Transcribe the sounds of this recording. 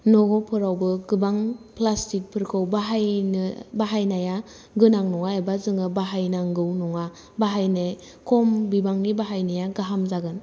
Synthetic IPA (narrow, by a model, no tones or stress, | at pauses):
nɔɡɔpʰɯɾawbɯɡɯbaŋplastik̚pʰɯɾkʰɯwbaɦajnɯbaɦajnaja | ɡɯnaŋnɔŋaebazɯŋɯbaɦajnaŋɡɯwnɔŋa | baɦajnej | kʰɔmbibaŋnibaɦajnajaɡaɦamzaɡɯn